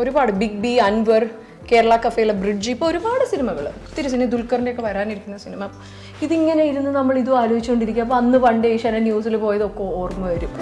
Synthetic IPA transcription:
o̞ɾubaːɽɨbiɡ̚biɐnʋɐr | keːɾɐɭaːkɐfejilɐbriɖd͡ʑipːoo̞ɾubaːɽɨsinɐmɐɣɐɭ | t̪ːiɾus̬inɐmɐd̪ulkːɐrindeokːe̞ʋɐɾaːniɾikʲːunːɐsinɐmɐpːo | iðiŋːɐneaːjiɾunːunɐmːɐɭiðuaːloːɦit͡ɕːukoɳɖiɾikʲːaɐp̬ːoɐnːɨʋɐɳɖeiʂɐnɐnjuːs̬ilpo̞ːjɐðɨo̞kːeoːrmːɨʋɐɾum

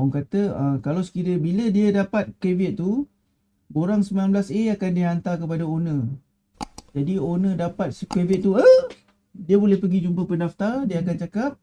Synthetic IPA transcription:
ɔŋkat̪əə̃kalawsə̥kiɾəbilədiədapat̪̚kevɪt̪̚t̪ːu | boɾaŋsəmilanblaseakandiɦant̪akəpadaonə̃ | d͡ʒadionə̃dapat̪̚səkevɪt̪̚t̪ːuə | diəbolɛhpəɡid͡ʒumpəpənaft̪adiəakant͡ʃakap̚

